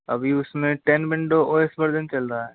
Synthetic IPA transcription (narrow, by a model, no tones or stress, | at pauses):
ɐ̰bʱiʊsmẽʈɛnbɪ̃ɳɖoʔoːesbɐɽd̪ɪnt͡ʃɐlɾaɦɛː